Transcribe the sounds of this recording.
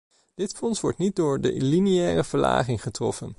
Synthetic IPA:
d̥ɪtfɔnsʋɔ̰ɹtnit̚dʊːɹdə̰liniɛːrəv̥əɹla̰ːχɪŋχətrɔ̰fən

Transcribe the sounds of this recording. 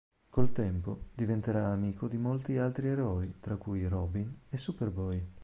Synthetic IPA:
kolt̪ɛmpod̪ivent̪eɾaːmiːkod̪imolt̪ialt̪ɾieɾɔit̪ɾakːujɾɔbinesːuperbɔj

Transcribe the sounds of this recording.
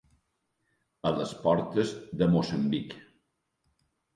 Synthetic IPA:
ələspɔɾt̪əzðəmosəmbik

